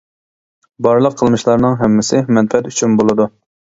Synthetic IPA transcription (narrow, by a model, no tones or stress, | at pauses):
bɑɾlˠəqʰːəlˠmɨʃlˠɑɾnɨŋɦɛmːɪsɪmɛnfɛt̪yt͡ʃʰynbolˠɨd̪u